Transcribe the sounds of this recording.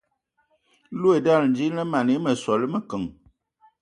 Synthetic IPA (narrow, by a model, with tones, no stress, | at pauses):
lu˦e˨da˦˨ln̩˦d͡ʒi˦lə˦ma˨ne˨˦mə˨sɔ˨lə˦mə˨kə˨ŋ